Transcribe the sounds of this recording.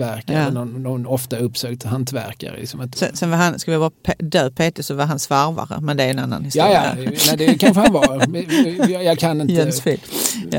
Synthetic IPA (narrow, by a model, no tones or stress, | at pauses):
æɾkaɾənɔnʊnɔft̪aɵpːsøːkt̪hant̪væ̰ɾka̰ɾə̰ɪ̰ksɔmat̪sɛ̰nsɛnvaɾhanskalɪjabɑːɾpʰed̪øːpʰeːt̪ɪsɔvaɾɦansvaɾva̰ɾə̰mɛnd̪ɛæːɾɛnanːa̰nhɪstuɛkʰanɧəhavɑːɾ | jɑɡkʰanɪnjɛnsfi | j̰